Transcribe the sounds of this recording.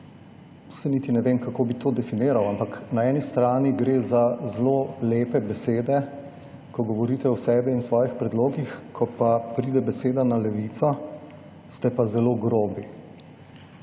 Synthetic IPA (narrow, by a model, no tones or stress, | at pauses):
u̥sɛniːt̪inɛʋeːmkakoːbit̪oːd̪ɛfineːɾawampaknaɛːnist̪ɾaːniɡɾeːzazloleːpɛbɛseːd̪ɛ | kɔɡɔʋɔɾiːt̪ɛɔsɛːbɛinsʋɔːjixpɾɛd̪loːɡixkʰɔpapɾiːd̪ɛbɛseːd̪analɛʋiːt̪sɔ | st̪ɛpazɛloːɡɾoːbi